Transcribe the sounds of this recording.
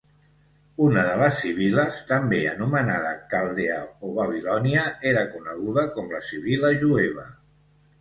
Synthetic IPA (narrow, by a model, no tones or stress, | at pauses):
unəðələsːiβ̞iləst̪əmbeə̰numənaðəkalˠd̪eə̰oβəβ̞ilɔniəeɾəkunəɣ̞uðəkɔmləsiβiləʒueβ̞ə̰